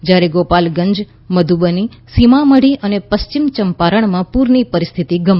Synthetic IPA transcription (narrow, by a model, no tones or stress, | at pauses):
d͡ʒjaɾeɡopalɡəɲd͡ʒ | məd̪ʱubəni | simaməɽiʔənepəst͡ʃimt͡ʃəmpaɾəɳmãpuɾnipəɾist̪ʰit̪iɡəm